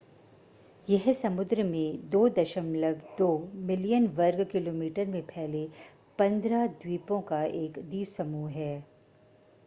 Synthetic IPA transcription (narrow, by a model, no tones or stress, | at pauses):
jɛɦsɐmʊd̪ɾəmẽd̪oːd̪ɐʃəmləɡd̪oːmɪlijənʋɐɾɡkɪloːmiːʈəɾmẽpʰɛɦle | pɐ̃nd̪ɾad̪wiːpõkaeːkd̪iːʋsɐmuːɦɛː